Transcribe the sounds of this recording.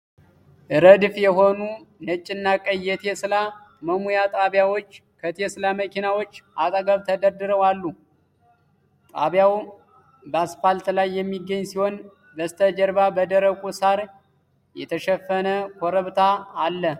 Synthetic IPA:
ʔɨɾəd̪fjɛɦo̞nunət͡ʃʼɪnːakʼəjːɛt̪ʰesla | məmujat̪ʼaβjawo̞t͡ʃː | kʰət̪ʰeslaməkʰinawo̞t͡ʃːʔat̪ʼəɡəβt̪ʰəd̪əɾd̪ɨɾəwalːu | t̪ʼa̰βjaw | bəasfalt̪lajːɛmːiɡːəɲːsiho̞n | bəst̪ʰəd͡ʒəɾβabəd̪əɾəkʷʼusaɾ | jɛ̰t̪ʰəʃɛfːənəkʰʷoɾəβt̪ʰaːlːə

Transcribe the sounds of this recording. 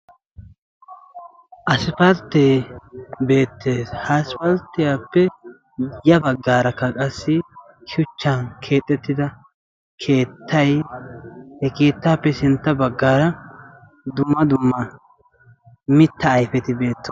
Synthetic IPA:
ʔɐsɪpɐlt̪ːeːbe̞ːt̪ːeːshasɪpɐlt̪ːɪjaːpːɛ | jɐbɐɡːaːɾɐkːɐkʼɐsːɪ | kʰɪʊt͡ʃːɐnkʰe̞ːt̪ʼːɛt̪ːɪd̪ɐ | kʰe̞ːt̪ːɐj | hɛke̞ːt̪ːaːpːɛsɪnt̪ːɐbɐɡːaːɾɐ | d̪ʊmːɐd̪ʊmːɐ | mɪt̪ːɐːjfɛt̪ɪbe̞ːt̪ːɔ

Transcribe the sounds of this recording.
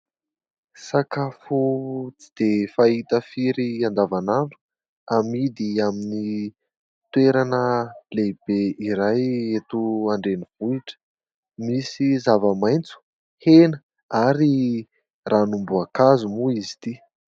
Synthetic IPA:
sakafut͡si̥d̪̥efait̪əfiɾiand̪avanaɳɖ͡ʐu̥ | amid̪iamini | t̪weɾanəleb̥eiɾajet̪uaɳɖ͡ʐenivuiʈ͡ʂə̥ | misizavəmajnt͡su̥ | henə | aɾi | ranumbuakazumuizi̥t̪i

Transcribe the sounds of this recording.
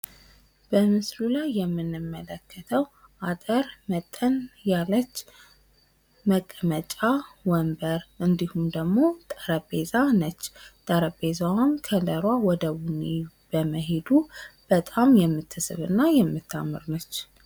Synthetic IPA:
b̥əmɨsɾulajːɛmːɨnːɨmːələkʰːət̪ʰəwʔat̪ʼəɾmət̪ʼːənjalːət͡ʃː | məkʼːəmət͡ʃʼawɔmbəɾʔɨnd̪ihumd̪əɡmo̞t̪ʼəɾəbezanət͡ʃːt̪ʼəɾəbezawamkʰələɾwawɔd̪əwune | b̥əməɦe̞d̪ub̥ət̪ʼamjɛmːɨt̪ʰːɨsɨβɨ̰nːajɛmːɨt̪ʰːa̰mːɨ̰ɾnət͡ʃː

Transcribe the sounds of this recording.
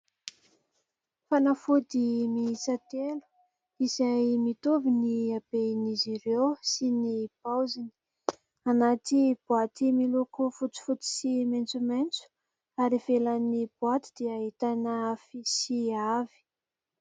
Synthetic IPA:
fanafud̪imiisat̪elu̥ | izajmit̪uviniabenizirewsinib̥awzini̥ | anat̪ib̥uat̪imilukufut͡si̥fut̪i̥siment͡sument͡su̥ | aɾiv̥elanib̥wat̪i̥d̪̥iaɦit̪anafisiavi̥

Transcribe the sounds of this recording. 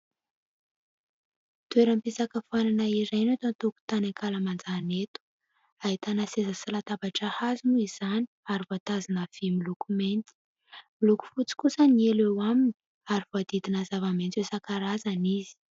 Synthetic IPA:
t̪ueɾəmpisakəfananaiɾajnot̪ant̪oku̥t̪anaŋkaləmand͡zanet̪u̥ | aɦit̪anasezəsalat̪abaʈ͡ʂahazinuiz̥ani̥aɾivot̪azinəv̥imilukument̪i̥ | miluku̥fut͡si̥kusənielewamini | aɾivoad̪id̪inazavamentt͡sesakaɾazanizi̥

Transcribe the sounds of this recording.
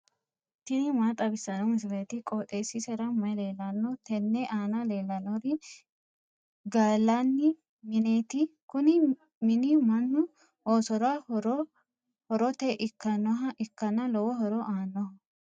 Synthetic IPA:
ɪt̪ːɪnɪmaːt̪ʼɐbɪsːɐnɔmɪsɪlɐt̪ɪkʼɔt̪ʼeːsɪsɛɾɐmɐjle̞ːlːɐnːɔt̪ʰɛnːɛʔaːnɐle̞ːlːɐnɔɾɪ | ɡaːlːanːɪ | mɪneːt̪ɪkʊnɪ | mɪnɪmɐnːʊ | hoːsɔɾaɾ | hɔɾɔt̪eʔɪkːɐnɔɦɐʔɪkːɐnɐlɔwɔɦɔɾɔʔaːnːɔhɐ

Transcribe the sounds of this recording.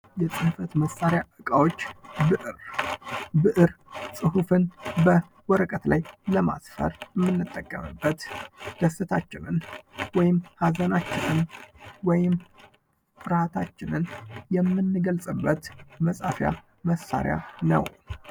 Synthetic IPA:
jɛt͡sʼɨnfət̪məsaɾɪjaʔɨkʼawo̞t͡ʃːbɨʔɨɾ | bɨʔɨɾsʼɨɦufɨnbə | wɔɾəkʼət̪lajləma̰sfə̰ɾjɛmːɨnːɨt̪ʼːəkʼːəmɨ̰bːət̪d̪̥əsɨt̪ʰat͡ʃːɪnɨnwɔjɪmhazənat͡ʃːɪnɨnwɔjɪm | fɨɾat̪ʰat͡ʃːɪnɨnjɛmːɨnːɨɡəlsʼɨbːət̪məsʼafja̰ | məsːa̰ɾja̰nə̰w

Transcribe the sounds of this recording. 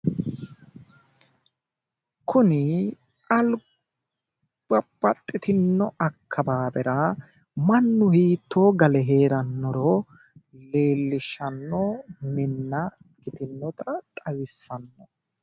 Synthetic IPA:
kʰʊnɪ | ʔɐl | b̥ɐbɐt̪ʼːɪt̪ɪnːɔʔɐkʰːɐbaːbɛɾɐ | mɐnːʊhiːt̪ːo̞ːɡɐlɛɦe̞ːɾɐnːɔɾo | le̞ːlːɪʃɐnːɔmɪnːɐ | kɪt̪ɪnːɔt̪ɐt̪ʼɐwɪsːɐnːɔ

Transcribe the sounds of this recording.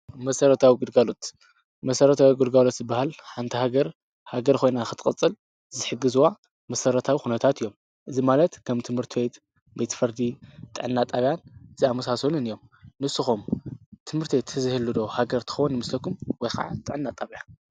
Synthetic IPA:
mɐsɐɾɐt̪ʰawiɡɨd̪ɡalot̪ | mɐsɐɾɐt̪ʰawiɡɨlɡalo̞t̪zɨbːahalħant̪ʰihaɡɐɾ | haɡɐɾkʰo̞jnaxɨt̪ʰɨkʼɨt͡sʼːɨl | zɨħɨɡɨzuwa | mɐsɐɾɐt̪ʰawixunɐt̪ʰat̪ʰɨjːo̞m | ʔɨzimalɐt̪kʰɐmt̪ʰɨmhɨɾt̪ʰiwet̪ | be̞t̪ʰfɐɾd̪it̪ʼɨ̰ʕɨnːat̪ʼaβjanziamɐsasonunɨjːo̞mnɨsɨxumt̪ʰɨmhɨɾt̪ʰiwet̪ʰɨzɨhɨlːɨd̪o̞haɡɐɾt̪ʰɨ̥xɐwunːɨmɨslɐkʰːumwɔjxa̰ʕa̰t̪ʼɨʕɨnːat̪ʼaβjan

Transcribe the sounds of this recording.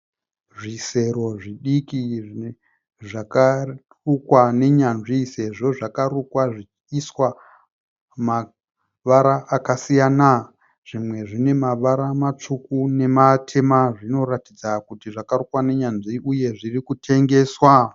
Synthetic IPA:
ʐise̞ɾo̞ʐiɗikii | ʐaka | rukwane̞ɲanʐise̞ʐo̞ʐakaɾukwaʐi | iswa | ma | ʋaɾaːkasijaːna | ʐ̥imwe̞ʐine̞maʋaɾamat͡ʂukune̞matʰe̞maʐino̞ratid͡zakutiʐakarukwane̞ɲanʐiʔuje̞ʐirikutʰe̞ŋɡe̞ːswa

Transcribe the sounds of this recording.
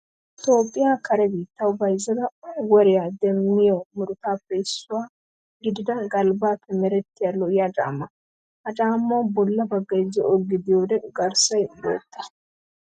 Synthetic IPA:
t̪o̞ːpʼːɪjakʰɐɾɛbiːt̪ːɐwbɐjzɐd̪ɐwɔɾɪjad̪ɛmːɪjomʊɾʊt̪aːpːɛɪsːʊwaː | ɡɪd̪ɪd̪ɐɡʼɐlbaːpːɛmɛɾɛt̪ːɪjalɔjat͡ʃʼa̰ːmːɐ | ɐt͡ʃʼaːmːɐwbɔlːɐbɐɡːɐzɛɔɡːɪd̪ɪjoːd̪ɛɡɐɾsɐjbɔ̰t̪ːɐ̥

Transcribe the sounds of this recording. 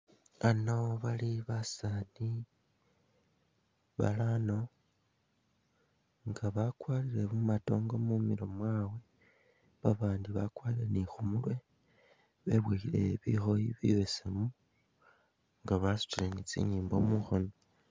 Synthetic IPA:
ano̞βaliβasani | βa̰lano̞ | ŋɡaβakwaːliɾe̞βumato̞ːŋɡo̞mumiɾomwaːwe̞ | βaβaːndiβakwaliɾe̞nixumulwe̞ | βe̞βweːxile̞̰βixo̞jiβḭβesemu | ŋɡaβasu̥t͡ʃilenit͡sḭːɲiːmbo̞̰muxono

